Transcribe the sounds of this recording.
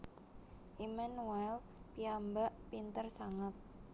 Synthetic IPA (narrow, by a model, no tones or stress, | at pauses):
ʔimanuɛl | piambaʔpint̪ərsaŋət̪̚